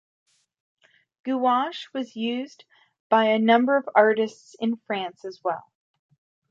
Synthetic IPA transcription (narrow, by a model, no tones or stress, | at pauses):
ɡ̥uɑʃwʌzjʉz | b̥aɪɨnʌ̃mbə˞ʌvɑɹɾɨstsɨ̃nfɹæ̃nsɨzwɛ̰lˠ